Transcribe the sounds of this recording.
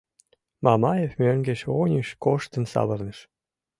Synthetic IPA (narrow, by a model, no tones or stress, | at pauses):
mɑmɑjevmøŋɡeʃonʲəʃkoʃt̪ə̆nsɑ̰βərnə̆ʃ